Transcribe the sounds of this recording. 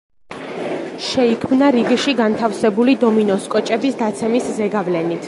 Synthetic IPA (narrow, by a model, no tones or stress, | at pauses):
ʃɛikʰmnaɾiɡiʃiɡant̪ʰafsɛbulid̪ɔminɔskʼɔt͡ʃʼɛbisd̪at̪sʰɛmiszɛɡavlɛnit̪ʰ